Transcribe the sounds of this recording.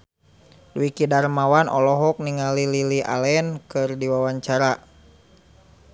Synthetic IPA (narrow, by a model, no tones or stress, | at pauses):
duikidarmawanʔɔ̰lɔɦɔk̚niŋalililia̰lɛnkɨrdiwawaɲt͡ʃaɾa